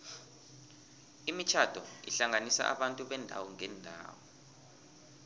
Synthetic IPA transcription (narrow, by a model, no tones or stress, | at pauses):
imit͡ʃʰad̥ʱɔḭɬaŋanisa̰ʔa̰ɓantʼuɓɛndʱa̰wɔŋɛndʱa̰ːwɔ